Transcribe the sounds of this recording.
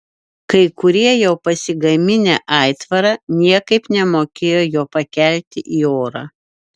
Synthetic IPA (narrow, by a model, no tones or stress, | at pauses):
kɐɪkʊɾʲiɛjɛʊpɐsʲɪɡɐmʲɪnʲæ̰ːʔɑˑɪt̪ʋɐɾɑːnʲiɛkɐɪpnʲɛmoːkʲeːjoːjoːpɐkʲæˑlʲt̪ʲɪʔiːoːɾɑː